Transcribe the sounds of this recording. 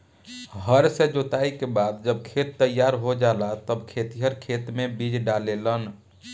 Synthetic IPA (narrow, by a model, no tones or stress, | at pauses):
ɦəɾsẽd͡ʒot̪aikebad̪̚d͡ʒəb̚kʰet̪ːəjːaɾɦod͡ʒalat̪əbkʰet̪iɦəɾkʰet̪mebid͡ʒɖalelən